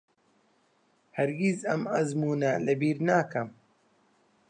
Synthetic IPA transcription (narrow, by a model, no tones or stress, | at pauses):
hɐɾɡizɐmɐzmuːnɐlɐbiːɾnaːkɐm